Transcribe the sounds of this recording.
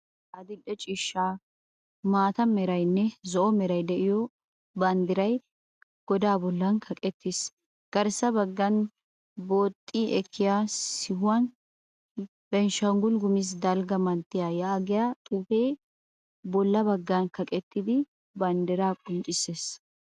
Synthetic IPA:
ʔɐd̪ɪɗːɛt͡ʃʼiːʃːaː | maːt̪ɐmɛɾɐjnːɛzɔʔɔmɛɾɐjd̪ɛʔɪjɔ | bɐnd̪ɪɾɐj | ɡ̥ɔd̪aːbɔlːɐnkʰɐkʼɛt̪ːɪs | ɡ̥ɐɾsɐbɐɡːɐn | bo̞ːt̪ʼːiːʔɛkʰːɪjaːsɪhʊwɐn | bɛnʃɐŋɡʊlɡʊmɪs̬d̪ɐlɡɐmɐnt̪ːɪjaːjaːɡɪjat̪ʼuːfeː | bɔlːɐbɐɡːɐnkɐkʼɛt̪ːɪd̪ɪ | bɐnd̪ɪɾaːkʼʊnt͡ʃʼːɪsːeːs

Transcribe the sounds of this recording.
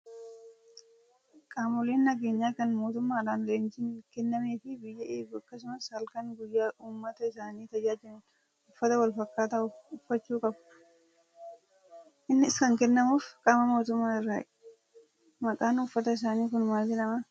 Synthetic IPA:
kʼaːmʊleːnːɐɡe̞ːɲːaːkɐnmo̞ːt̪ʊmːaːraːnleːnt͡ʃɪnkɛnːɐmeːfɪbɪjːɐʔeːɡʊɐkːɐsʊmɐshɐlkɐŋɡʊjːaːʔuːmːɐt̪ɐɪsaːniːt̪ɐd͡ʒaːd͡ʒɪmʊn | ʊfːɐt̪ɐwɐlfɐkːaːt̪aːʊʊfːɐt͡ʃːuːkʼɐb | ʔɪnːɪɪskɐŋkɛnːɐmuːfkʼaːmɐmo̞ːt̪ʊmːaːɪrːaːɪᶑ | mɐkʼaːnʊfːɐt̪ɐɪs̬aːniːkʊnmaːdɪnɐma

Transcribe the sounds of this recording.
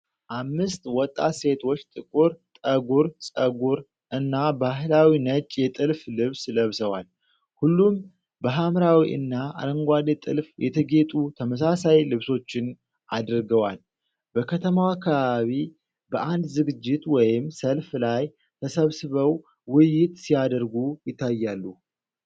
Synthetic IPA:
ʔamːɨst̪wɔt̪ʼːa̰se̞t̪ʰo̞t͡ʃːt̪ʼɨkʼuɾt̪ʼəɡuɾsʼəɡuɾ | ʔɨnːabaɦlawinət͡ʃʼjɛt̪ʼɨlflɨβsləβsəwal | hulːum | bəɦamɾawiʔɨ̰nːaa̰ɾəŋɡʷad̪et̪ʼɨ̰lfjɛt̪ʰəɡe̞t̪ʼut̪ʰəməs̬asajlɨβso̞t͡ʃːɪn | ad̪ɨɾɡəwal | bəkʰət̪ʰəmawakʰːaβaβi | bəʔand̪zɨɡɨd͡ʒːɪt̪wɔjɪmsəlflaj | t̪ʰəsəβsɨβəw | wɪjɪt̪sijad̪əɾɡujɪt̪ʰːajːalːu

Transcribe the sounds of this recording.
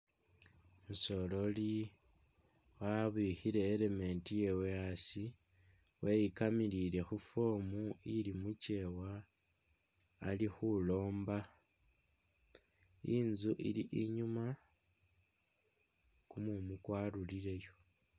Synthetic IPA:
muso̞lo̞li | waβixiɾe̞ːleme̞ːntije̞weasi | wʔe̞jikamiɾiɾe̞xufo̞ːmuilimuce̞wa | lixulo̞ːmba | inzuʔḭliʔiɲuma | kumumukwaːluliɾe̞jo̞

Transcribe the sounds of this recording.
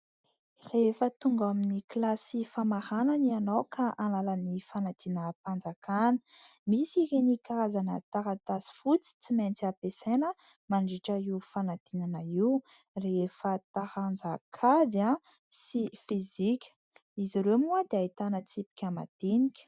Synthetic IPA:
refət̪uŋɡaminiklasifamaɾananianowkʰaʔanalanifanat̪inəpand͡zakanə̥misiɾenikaɾazanət̪aɾat̪asi̥fut͡si̥t͡siment͡siapesenə | maɳɖ͡ʐiʈ͡ʂəiufanat̪inanaiw | refət̪ahand͡zakʰad̪a | sifizikʲə̥ | iziɾemuad̪eait̪anət͡sipi̥kʲama̰d̪̥inikʲə̥

